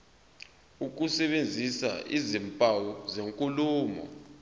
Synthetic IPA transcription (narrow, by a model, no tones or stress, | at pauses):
uk̬usɛɓend͡zʱisa̰ḭzimpʼawuzeŋkʼuluːmɔ̰